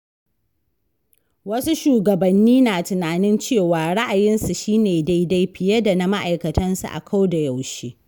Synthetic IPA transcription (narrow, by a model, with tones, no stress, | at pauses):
wɐ˦su˦ʃuː˨ɡɐ˨bɐ˨nːiː˦naː˨tɪ˨naː˨nɪ˦nt͡ʃeː˦˨waː˨ɽa˦ʔa˨jɪ˦nsu˨ʃiː˦neː˨da˦jda˦jɸɪ˨jɐ˦da˨na˨ma˦ʔa˨jkɐ˨tɐ˦nsṵ˨ʔa̰˨kʰa˦wda˨ja˨wʃeː˦